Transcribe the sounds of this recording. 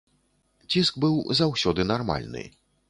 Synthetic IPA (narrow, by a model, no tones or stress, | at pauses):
t͡sʲisɡbɨwzawsʲɔd̪ɨnarma̰lʲnɨ̰